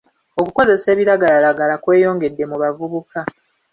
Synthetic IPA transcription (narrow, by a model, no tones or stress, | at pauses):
o̞kuko̞ze̞se̞ːβiɾaɡalalaɡalakwe̞ːjo̞ːŋɡe̞dːe̞muβavuβuka